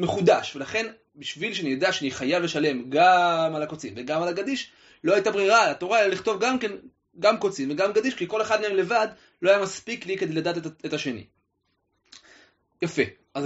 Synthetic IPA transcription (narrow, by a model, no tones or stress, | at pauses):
me̞χudaʃve̞laχe̞n | biʃvilʃeanijod̪aʃeaniχajavleʃale̞mɡamalako̞t͡simveɡamalaɡadiʃ | lo̞hajt̪abʁiʁalat̪o̞ʁae̞laliχt̪o̞vɡamke̞n | ɡamko̞t͡simveɡamɡad̪iʃkiko̞le̞χad̪̚meemle̞vad̪ | lo̞ajamaspikliked̪elad̪aːt̪etaʃe̞nḭ | jafe | az